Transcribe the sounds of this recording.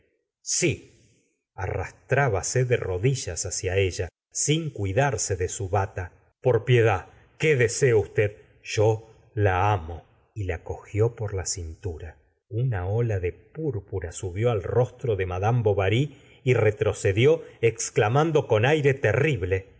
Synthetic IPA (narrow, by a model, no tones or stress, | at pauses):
si | a̰ra̰st̪ɾaβaseðero̞ðiʒasasjae̞ʒa | siŋkwiðaɾse̞ðesuβat̪a | poɾpje̞ða | keðeseust̪eð | ʒ̥o | laamo | ilako̞xjo̞po̞ɾlasint̪uɾa | unaolaðepuɾpuɾasuβjo̞alro̞st̪ɾoðemaðamboβaɾi | iret̪ɾo̞se̞ðjo̞eksklamand̪o̞ko̞najɾe̞t̪eriβle̞